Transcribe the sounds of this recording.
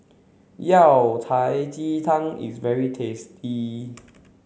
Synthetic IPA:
jawtʰajt͡ɕit̪ʰãŋḭsvɛɹitʰesti

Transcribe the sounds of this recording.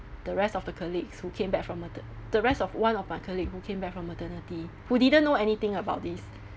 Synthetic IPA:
d̥əɹɛstɔfdəkʰəlikshukʰẽmbɛk̚fɹɔ̃mətəd̥əɹɛstɔfwãnɔfmakʰəlikhukʰẽmbɛk̚fɹɔ̃mətənəti | hudidə̃nːoɛnit̪ɪ̃ŋəbaʊt̚d̪is

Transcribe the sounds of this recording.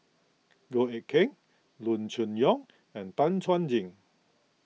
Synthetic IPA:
ɡoɛkʰɛ̃ŋ | lunt͡ʃə̃njɔ̃ŋ | ɛ̃ntãntʰãnd͡ʒĩŋ

